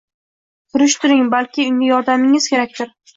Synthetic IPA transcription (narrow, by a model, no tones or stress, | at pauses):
t̪ʰʊɾɪʃt̪ʰʊɾɪŋbalˠkʲʰɪʊŋʲɪjɒɾd̪amɪŋɪz̥kʲeɾak̚ʲt̪ʰɪɾ